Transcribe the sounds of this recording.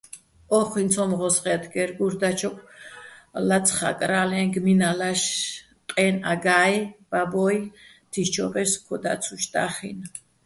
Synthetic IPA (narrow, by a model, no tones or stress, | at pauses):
ɔχint̪sʰɔmʁɔsχɛt̪ʰɡɛɾɡuɾd̪at͡ʃʰɔkʰ | lat̪t͡sʰχa̰kʼɾalɛnɡminalaʃ | q̪ʼɛna̰ɡajb̥abɔj | t̪ʰit͡ʃʰɔ̰bɛɾskʰɔd̪a̰t̪sʰuʃt̪a̰χḭn